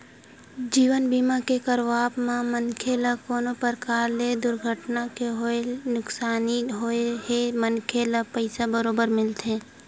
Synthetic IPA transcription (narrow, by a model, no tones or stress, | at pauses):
d͡ʒiːʋənbiːmakekəɾʋaːbmamənkʰelakoːnopəɾkaːɾled̪ʊɾɡʱəʈnakeɦoenʊksaːniɦoeɦemənkʰelapəɪsabəɾoːbəɾmɪlt̪ẽː